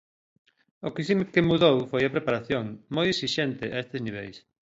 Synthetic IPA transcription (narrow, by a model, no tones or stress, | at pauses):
okisimkemuðowfojɐpɾepaɾaθjoŋmojeksiʃent̪ɪʔaest̪ezniβ̞ejs